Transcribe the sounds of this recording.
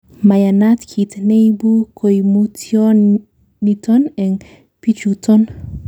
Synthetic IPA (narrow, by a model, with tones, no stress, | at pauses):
ma˨ja˨nat̪kʰi˨t̪ne˦i˦bu˦kʰo˨jmu˦tʰjɔ | nit̪ɔ˦nɛ˨ŋ | pi˦t͡ʃut̪ɔ˦n